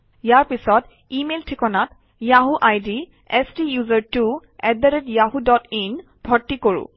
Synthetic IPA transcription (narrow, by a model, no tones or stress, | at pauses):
jaɹpisɔt | imeltʰikɔnat | jaɦuʔajdi | ɛstijuzaɹtuɛd̚daɾɛtjaɦudɔtin | b̥ʱɔɹtːikoɹʊ̰̃